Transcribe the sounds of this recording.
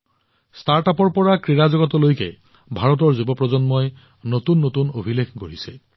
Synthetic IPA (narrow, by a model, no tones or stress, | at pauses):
staɹtapɔɹpɔɹakɹiɹazɔɡɔtɔlojkɛ | bʱaɹɔt̬ɔɹzubɔpɹɔzɔnmɔj | notunːotunobʱilekʰɡoɹisɛ